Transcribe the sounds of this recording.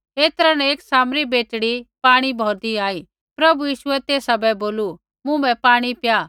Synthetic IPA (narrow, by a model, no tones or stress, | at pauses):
eːt̪ɐɾanɛeːksaːmɾibeːʈɽipaːɽ̃ibʱɔːɾd̪iaːiː | pɾɐbujiːʃʊɛt̪eːsabɛboːlu | mʊ̃bɛpaːɽ̃ipjaː